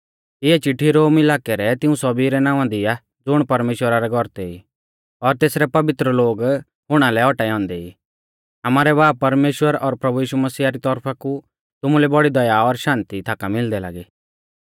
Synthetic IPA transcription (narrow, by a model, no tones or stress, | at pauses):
ɪɛt͡ʃɪʈʰːiɾoːmɪlaːkɛɾɛt̪ɪũsɔbiɾɛnãːʋãd̪ia | d͡zʊɽ̃pɐɾmeːʃwəɾaɾɛɡʱɔɾt̪ɛḭ | ɔɾt̪eːsɾɛpɐʋɪt̪ɾəloːɡ | ɦʊɽ̃alɛɔʈaɛɦɔ̃ːnd̪ɛḭ | amaːɾɛbaːpːɐɾmeːʃwəɾɔɾpɾɐbujiːʃumɐsiːaɾit̪ɔɾpʰaku | t̪ʊmũlɛbɔɽid̪ɐjaɔɾʃãːnt̪it̪ʰaːkamɪld̪ɛla̰ːɡe